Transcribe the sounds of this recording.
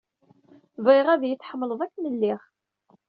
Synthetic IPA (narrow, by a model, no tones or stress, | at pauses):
vʁiʁæðjət͡sːħəmːələðˤækːnəlːiχ